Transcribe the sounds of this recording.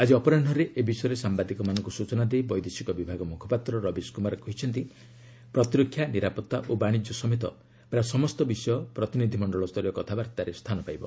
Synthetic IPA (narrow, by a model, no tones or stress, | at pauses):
ad͡ʒiɔpɔɾaɳɖʱɔɾeʔebisɔjɔɾesambad̪ikɔmanɔ̃ŋkusut͡ʃɔnad̪ejbɔjd̪esikɔbibʱaɡɔmukʰɔ̥pat̪ɾɔɾɔbiskumaɾɔkɔɦit͡ʃʰɔnt̪i | pɾɔt̪iɾɔkʰːjaniɾapɔt̪ːaʔobaɽ̃id͡ʒɔsɔmet̪ɔ̰ | bɾasɔmɔst̪ɔbisɔjɔpɾɔt̪inid̪ʱimɔɳɖɔɭɔst̪ʰɔɾjɔkɔt̪ʰabaɾt̪aɾest̪ʰanɔpajbɔ